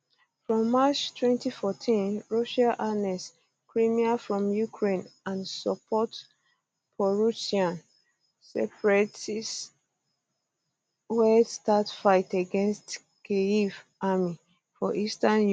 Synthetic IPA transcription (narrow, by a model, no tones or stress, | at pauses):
fɹɔ̃mːat͡ʃtʰwɛ̃ntifɔtʰĩnɹɔʃaʔanɛs | kʰɹimiafɹɔ̃mjukʰɹẽnãnsɔpʰɔt | pʰɔɹusiãn | sɛpɹɛts | wɛdstatfaɪtaɡɛ̃nst | keivami | fɔʔistanj